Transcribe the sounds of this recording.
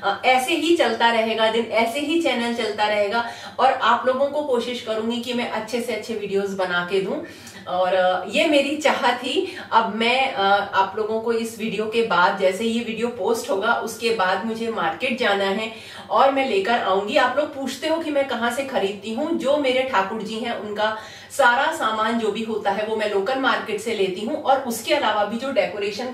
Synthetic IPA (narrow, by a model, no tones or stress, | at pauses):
ɛːseɦit͡ʃɐlt̪aɾɐɦeːɡad̪ɪnɛːseɦit͡ʃɛːnəlt͡ʃɐlt̪aɾɐɦeːɡa | ɔːɾaːploːɡõkokoːʃɪʃkɐɾũːɡikimɛ̃ʔɐtːʃʰeseɐtːʃʰeʋiːɖijoːzbɐnaːked̪ũː | ɔːɾjeːmeːɾit͡ʃaːɦət̪ɦi | ɐbmɛ̃ːaːploːɡõkoɪsʋiːɖijokebaːd̪̚d͡ʒɛːsejeʋiːɖijopoːsʈɦoːɡaʔʊskebaːd̪mʊd͡ʒʱemaːɾkeːʈ̚d͡ʒaːnaɦɛ | ɔːɾmɛ̃leːkəɾa̰ːũːŋɡiaːploːɡ̚puːt͡ʃʰt̪eɦõkimɛ̃ːkɐɦãsexɐɾiːd̪̚t̪iɦũd͡ʒoːmeːɾeʈʰaːkʊɾd͡ʒiɦɛ̃ʔʊnka | saːɾasaːmaːnd͡ʒoːbʱiɦoːt̪aɦɛʋomɛ̃loːkənmaːɾkeːʈseleːt̪iɦũʔɔːɾʊskeɐlaːʋabʱid͡ʒoːɖɛːkoːɾeːʃən